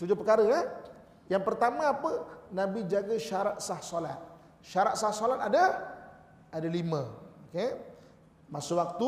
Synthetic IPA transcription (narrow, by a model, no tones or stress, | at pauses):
t̪ud͡ʒʊpəkaɾəa | jaŋpərt̪amãːpənãbid͡ʒaɡəʃaɾat̪̚sahsolat̪̚ | ʃaɾat̪̚sahsolat̪adə | adalimə̃oke | masuwak̚t̪u